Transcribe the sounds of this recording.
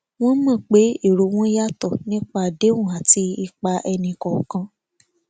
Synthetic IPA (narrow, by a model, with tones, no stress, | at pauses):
w̃ɔ̃˦mã˦˨k͡pe˨˦e˦˨ɾo˨w̃ɔ̃˦ja˦tɔ˦˨nĩ˦k͡pa˦˨de˨˦wũ˦˨a˨ti˧i˧k͡pa˧ʔɛ˧nĩ˧kɔ˨kã˧